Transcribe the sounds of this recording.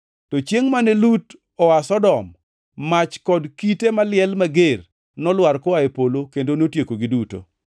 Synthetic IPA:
tɔt͡ʃjeŋmanelut | ɔwasɔdɔmː | at͡ʃkɔdkitemalɪɛlmaɡer | nɔlwaɾkɔaepolokendonotjekoɡɪduto̰

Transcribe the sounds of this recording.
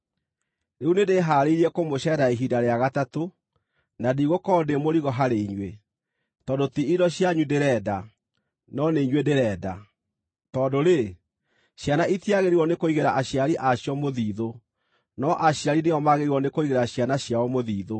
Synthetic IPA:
neunedeɦaːɾeiɾiɛkomoɕɛɾaeɦidaɾeaɣatato | nadiɣokɔdemoɾiɣɔɦaɾeiɲwe | tɔdotiidɔɕjaɲudeɾɛːda | nɔneiɲwedeɾɛːda | tɔːdoɾe | ɕjanaitiaɣeɾiwɔnekoiɣeɾaʔaɕjaɾiʔaɕjɔmoðiːðo | nɔʔaɕjaɾineɔmaɣeɾiwɔnekoiɣeɾaɕjanaɕjawɔmoðiːðo

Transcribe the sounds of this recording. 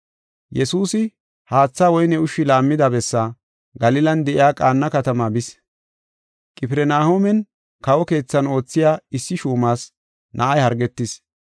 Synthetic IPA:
jɛsuːsɪ | haːt͡sːaːwɔjnɛʊʃːɪlaːmːɪd̪ɐbɛsːa | ɡɐlɪlɐnd̪ɛʔɪjaːkʼaːnːɐkɐt̪ɐmaːbɪs | kʼɪpɪɾɛnaːhoːmɛn | kɐwɔke̞ːt͡sːɐno̞ːt͡sːɪjaːɪsːɪʃuːmaːs | nʔɐʔɐjhɐɾɡɛt̪ːɪs

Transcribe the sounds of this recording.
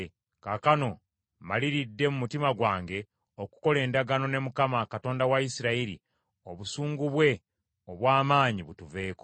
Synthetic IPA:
kakano̞ | maliɾidːe̞mumutimaɡwaːŋɡe̞ | oku̥ko̞le̞ːndaɡano̞ne̞mukamakato̞ːndawaisiɾaiɾḭ | o̞βusuːŋɡuβwe̞ | oβwaːmaːɲiβutuve̞ːko

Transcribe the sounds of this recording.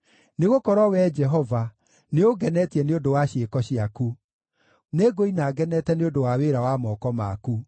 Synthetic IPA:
neɣokɔɾɔwɛd͡ʒɛɦɔva | neoɡɛnɛtiɛneodowaɕeːkɔɕiaku | neɡoinaːɡɛnɛtɛneodowaweɾawamɔkɔma̰ku

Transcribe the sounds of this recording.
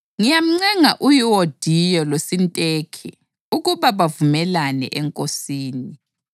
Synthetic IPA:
ŋijam̩ŋ͡ǀɛŋaʔujiwɔd̥ʱijɔlosintʼekʰḭ | uɣuβaβavumɛlanɛ̰ʔɛŋkʼosiːni

